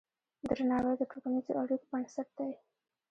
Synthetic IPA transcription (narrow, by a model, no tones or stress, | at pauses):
d̪ɾanɑwajd̪əʈʰokanizo̰aɽiko̥pəɳsat̪̚d̪aj